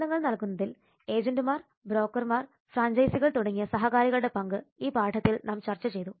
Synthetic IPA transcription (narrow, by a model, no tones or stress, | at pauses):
lɐŋːɐɭnɐlkunːɐðil | e̞ːd͡ʑɐndɨmaːr | bɾo̞ːkːɐrmaːr | fraːɲd͡ʑɐjsiɣɐɭt̪uɽɐŋːijɐsɐɦɐkaːɾiɣɐɭuɽe̞pɐŋɡɨiːpaːʈʰɐt̪ːilnaːmt͡ɕɐrt͡ɕːɐt͡ɕe̞jt̪u